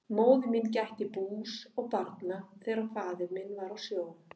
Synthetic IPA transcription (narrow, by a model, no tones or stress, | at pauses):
moːwðʏmincajht̪ɪpuːsɔɣpaɾt̪naθɛːɾafaːðʏɾmɪnːvaɾawsjoːw̪